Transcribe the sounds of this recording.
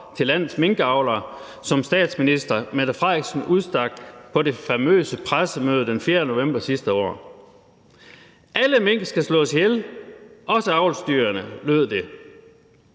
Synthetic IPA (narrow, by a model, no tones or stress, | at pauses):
t͡sʰe̝lːæn̰ð̩ˠsme̝ŋɡ̥əɑ̈ʊlɐ | sɒ̽msd̥ɛ̰ːd̥sminisd̥ɐmæð̥ɐfʁɑɡ̥sn̩uðˠsd̥ɑ̈ɡ̥̚pʰɒ̽ɾe̝fæmø̰ːsəpʰʁasəmøːð̞ˠd̥enfjeːɐnəno̝ʋem̰b̥ɐsisd̥əɒ̰ː | ʔæləmeŋ̰ɡ̥əsɡ̥æslɔ̰̽ːsihelʔɒ̽səɑ̈ʊlsd̥yːɐɐnəløðˠd̥e̝